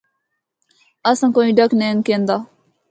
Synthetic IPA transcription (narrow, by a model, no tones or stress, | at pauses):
ɐsãːkoĩːɖəkneːnkẽːnd̪aː